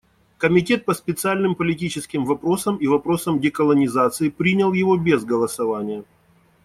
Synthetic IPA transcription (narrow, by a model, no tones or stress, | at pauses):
kəmʲɪtʲe̞t̪̚pəspʲɪt̪sɨalʲnɨmpəlʲɪtʲit͡ɕɪskʲɪmvɐpɾo̞səmivɐpɾo̞səmdʲɪkəlˠənʲɪzat̪sɨɪpɾʲinʲɪlˠjɪvo̞bʲezɡəlˠəsɐvanʲɪjə